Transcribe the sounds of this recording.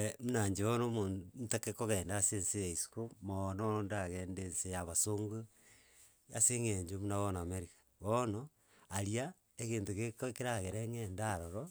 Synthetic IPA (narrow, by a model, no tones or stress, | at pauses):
emunaɲd͡ʒeβonomoːnn̩takekoɣeːndaːsensejaisu̥komanoondaɣeːndensejaβasoŋɡo | aseŋeɲd͡ʒomunaɣonameɾikḁβono | aɾia | eɣeːntoɣekkeɾaɣeɾeŋendaɾoɾo